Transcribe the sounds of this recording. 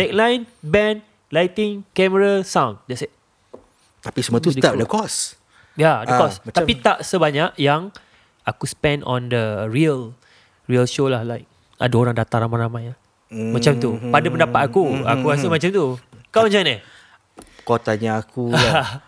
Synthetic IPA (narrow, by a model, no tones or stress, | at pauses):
tɛk̚lajnbɛ̃n | lajt̪ɪŋkɛməɾasãwnd͡ʒɛs | t̪apisəmuat̪ust̪adəkɔs | jadəkɔst̪apit̪aʔsəbaɲaʔjaŋ | akuspɛ̃nɔ̰̃ndəɹiəl | ɹiəlʃolahlajk̚ | a̰daoɾaŋdat̪alamãnlamãja | mat͡ʃamt̪upadapəndapat̪akua̰kuasəmat͡ʃamt̪ukaãt͡ʃanə | kɔt̪aɲaaku